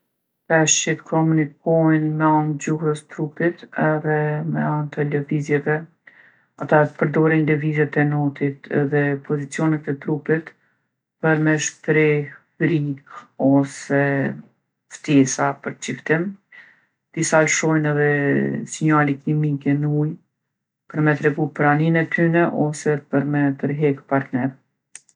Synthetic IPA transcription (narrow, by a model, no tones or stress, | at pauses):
pɛʃit̪kʰɔmunikɔjnmɛant̪̚d͡ʑuhəst̪ɾupit̪ɛðɛmɛant̪ələvizjɛvɛ | at̪apəɾd̪ɔɾinləvizjɛt̪ɛnɔt̪it̪ɛ̰ðɛpʰɔzit͡siɔnɛt̪ɛt̪ɾupit̪ | pəɾmɛʃt̪ɾɛfɾikɔsɛ | ft̪ɛsapəɾt͡ʃift̪im | d̪̥isalʃɔjnɛðɛsɛɲaliklimikɛnuj | pəɾmɛt̪ɾɛɡupəɾaninɛt̪ʰynɛʔɔsɛpəɾmɛt̪əɾɦɛkpaɾt̪nɛɾ